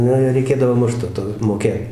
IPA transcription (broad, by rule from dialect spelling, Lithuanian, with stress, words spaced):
ˈnʊ ɪr rʲɛɪˈkʲeːdɐʋoː ˈmʊʃt toː ˈtoː moːˈkʲeːt